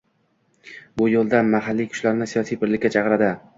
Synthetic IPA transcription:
bʊjolˠd̪anmaɦalːijkʰʊ̥ʃlaɾnɪsijɒsijpʰɪɾlɪkʲːat͡ʃʰɑqɨɾad̪ɪ

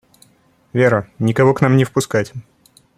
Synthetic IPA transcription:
vʲeɾənʲɪkɐvoknamnʲɪfpʊskatʲ

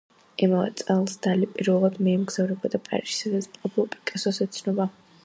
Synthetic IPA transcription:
ɛmavɛ̰t̪sʼɛlˠsd̪alipʼiɾvɛlˠad̪mɛimɡz̥avɾɛbad̪apʼa̰ɾiʃi̥sad̪at̪smqʼɔpʰlˠɔpʼikʼɛsɔsɛt̪sʰnɔba

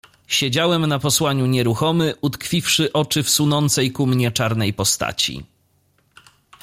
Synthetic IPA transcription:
ɕed͡ʑawɛmnapɔswaɲuɲɛɾuxɔmɘʔut̪kfʲifʂɘʔɔt͡ʂɘfsunɔnt̪sɛjkumɲɛt͡ʂaɾnɛjpɔst̪a̰t͡ɕḭ

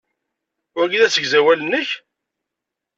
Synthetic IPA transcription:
ʊɾɡiðæsəʝzæwælənːəç

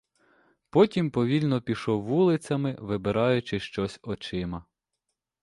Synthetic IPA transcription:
pɔtʲimpɔʋʲilʲnɔpʲiʃɔwːulˠɪt͡sʲɐmɪʋɪbeɾɑjʊt͡ʃɪʃt͡ʃɔsʲɔt͡ʃɪmɐ

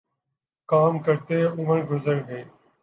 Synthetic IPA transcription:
kaːmkəɾt̪eːʊməɾɡʊzəɾɡeː

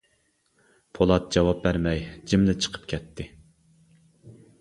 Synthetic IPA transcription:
pʰolˠɑt̪̚d͡ʒɑwɑp̚bæɾmɛjd͡ʒimlɪt͡ʃʰə̥qʰə̥pkʲʰɛt̪ʰːɪ

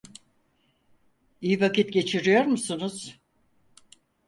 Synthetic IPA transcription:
ijivakit̪ɟe̞t͡ʃʰiɾijo̞ɾmusunuz̥

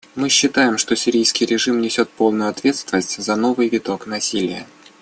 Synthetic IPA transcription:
mɨɕːɪt̪ajɪmʂt̪o̞sʲɪɾʲijskʲɪjɾʲɪʐɨmnʲɪsʲo̞t̪̚po̞lˠnʊjʊɐt̪vʲe̞t̪st̪vʲɪnəsʲtʲzɐno̞vɨjvʲɪt̪o̞knɐsʲilʲɪjə

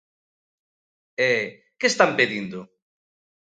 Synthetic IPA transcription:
ɛ | kest̪ampeðind̪ʊ

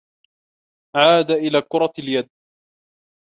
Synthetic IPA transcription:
ʕaːd̪aʔɪlaːkʊɾˤɑljad̪̚

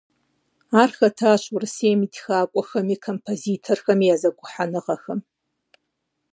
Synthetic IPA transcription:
arxɐtʰaʃʷʰʊrɨseːmidxaːkʷʼɔxɐmikʰompʰozitʰorxɐmiazakʷʼʊħanɨqaxɐm

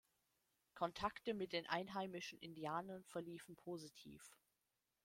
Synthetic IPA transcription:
kʰɔntʰaktəmɪt̚d̥eːnʔa̰ɪnɦaɪmɪʃn̩ʔɪndiaːnɐnfɛɐliːfn̩pʰoːzitʰḭːf

